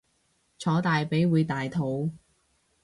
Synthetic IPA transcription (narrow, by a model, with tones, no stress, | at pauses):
t͡ʃʰɔː˨˥t̪aː˨jpe˨˥jwuː˨˧jt̪aː˨jt̪ʰo˨˧˥w